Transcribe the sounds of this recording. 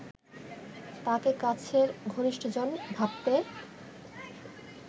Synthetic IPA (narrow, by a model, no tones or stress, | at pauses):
t̪akekat͡ɕʰeɾɡʱoniʃʈʰod͡ʑonbʱab̚t̪e